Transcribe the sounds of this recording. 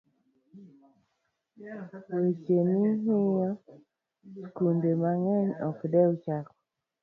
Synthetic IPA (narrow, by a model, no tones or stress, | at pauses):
wet͡ʃemiɦɪja | skundemaŋɛɲɔkdɛwt͡ʃakɔ